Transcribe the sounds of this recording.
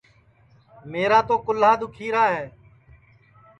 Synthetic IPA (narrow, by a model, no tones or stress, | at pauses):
meːɾaːt̪oːkʊlɦaːd̪ʊkʰiːɾaːɦeː